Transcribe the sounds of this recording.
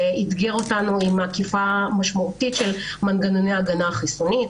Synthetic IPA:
it̪ɡeʁo̞tanuimakifamaʃmautitʃel | manɡanonejaɡanaχisonit

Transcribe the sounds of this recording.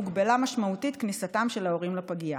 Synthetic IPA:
uɡbalamaʃmautit̪knisatamʃe̞lao̞ʁimlapaɡia

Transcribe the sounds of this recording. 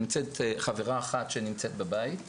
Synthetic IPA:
mt͡set̪χaviʁaːχatʃenimt͡set̪̚babajit

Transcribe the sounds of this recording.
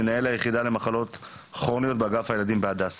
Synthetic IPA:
enae̞lhajeχid̪ale̞maχalo̞t | χʁonijo̞t̪̚baɡafhaje̞lad̪imbead̪as

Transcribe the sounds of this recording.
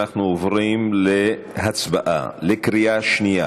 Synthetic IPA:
aχnuovʁimle | ɦat͡sbaʔa̰lekɾijaʃnija̰

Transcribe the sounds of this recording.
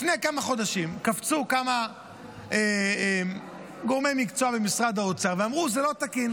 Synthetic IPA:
fnejkamaχo̞d̪aʃimkaft͡sukama | em | ɡo̞ʁmejmikt͡soabemisʁad̪aot͡saʁveamʁuzelo̞t̪akin

